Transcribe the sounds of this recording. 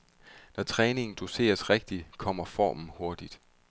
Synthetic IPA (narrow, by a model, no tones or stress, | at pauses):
nɒt͡sʰʁɛːne̝ŋn̩d̥use̝̰ːɐsʁeɡ̥̚d̥ikʰɒ̽m̰ɐfɒ̰ːmn̩ho̝ɐd̥id̥